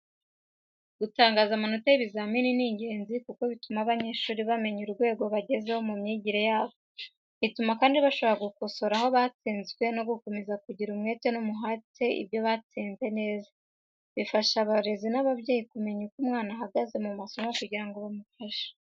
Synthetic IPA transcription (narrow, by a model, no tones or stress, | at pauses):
ɡ̥utaːŋɡaːzamanotajiβizamininiɲɟe̞ːnzikuko̞βitumaβaɲe̞ːʃuːɾiβame̞ɲuɾuɾɡwe̞ːɡo̞βaɟe̞ze̞ho̞mumɲiɟiɾejaːβo | βitumakaːndiβaʃo̞βaɡuko̞so̞ɾaho̞βat͡siːnzɡwe̞no̞ɡuko̞me̞zakuɟiɾumŋe̞ːte̞numuɦate̞ʔḭbjo̞βat͡siːnze̞ne̞ːza | βifaʃaβaɾe̞zinaβabɟeːjikume̞ɲukumŋaːnaɦaɡaze̞mumaso̞mokuɟiɾaŋɡo̞βamufaʃḁ